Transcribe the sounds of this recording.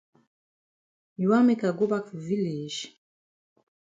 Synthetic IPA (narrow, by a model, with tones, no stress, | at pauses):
i˨wa˦me˦ka˨ɡo˦ba˦ki˨vi˦le˨ʃ